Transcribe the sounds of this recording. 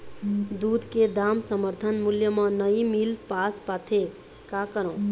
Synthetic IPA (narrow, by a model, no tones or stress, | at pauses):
d̪ud̪ʱked̪amsəməɾt̪ʰənmuljəmʌnəjmilpaspat̪ʰe | kakəɾə̃